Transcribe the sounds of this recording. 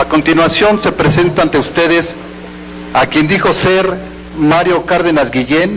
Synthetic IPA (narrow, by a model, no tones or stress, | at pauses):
ako̞nt̪inwasjo̞nse̞pɾese̞nt̪aːnt̪e̞ust̪e̞ðes | akje̞nd̪ixo̞se̞ɾ | maɾjo̞kaɾðe̞nazɡiʝen